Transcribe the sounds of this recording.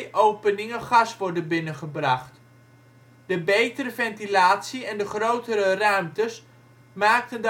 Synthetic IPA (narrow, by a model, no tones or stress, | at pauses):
ʔowpənɪŋəχɑsʋɔɹdənbɪnəχəbrɑχt | d̥əbejtərəvɛntilaːtsiɛndəχrowtəɾərœɥmtəs | maːk̚tənd